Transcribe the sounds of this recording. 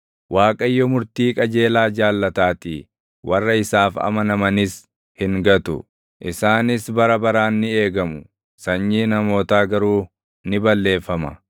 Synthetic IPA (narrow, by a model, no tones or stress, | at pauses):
waːkʼɐjːɔmʊɾt̪iːkʼɐd͡ʒe̞ːlaːd͡ʒaːlːɐt̪aːt̪ɪ | wɐrːɐɪsaːfɐ̰mɐnɐmɐnɪs | hɪŋɡɐt̪ʊ̰ | ʔɪsaːnɪsbɐɾɐbɐɾaːnːɪe̞ːɡɐmʊ | sɐɲːiːnɐmo̞ːt̪aːɡɐɾuː | nɪbɐlːe̞ːfːɐmɐ̰